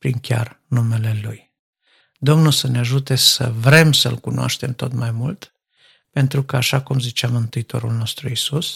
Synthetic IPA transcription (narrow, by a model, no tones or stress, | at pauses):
pɾiŋkʲa̰rnume̞le̞luj | d̪o̞mnusəneaʒut̪e̞sə̰vɾe̞msəɨlkunoa̰ʃt̪e̞mt̪o̞t̪majmult̪ | pe̞nt̪ɾukəaʃakumzit͡ʃeamɨnt̪ɨit̪o̞̰ɾulno̞st̪ɾuisus